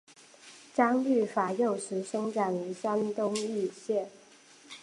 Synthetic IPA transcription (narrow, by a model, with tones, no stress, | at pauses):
ʈ͡ʂɑ˥ŋly˥˩fa˨˩jo˥˩ʊʂɻ̩˧˥ʂɤ˥ŋʈ͡ʂa˨˩ny˧˥sa˥nt̪ʊ˥ŋy˥˧ɕjɛ˥˩n